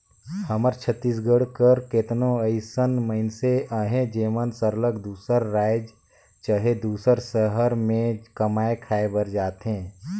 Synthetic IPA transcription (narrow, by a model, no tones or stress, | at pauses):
həməɾt͡ʃʰət̪ːiːs̬ɡəɽkəɾket̪nõəɪsənməɪnseəɦẽd͡ʒeːmənsəɾləkd̪uːsəɾːaːɪd͡ʒ | t͡ʃəɦed̪uːsəɾsəɦəɾmẽkəmaːekʰaːebəɾd͡ʒaːt̪ɦẽː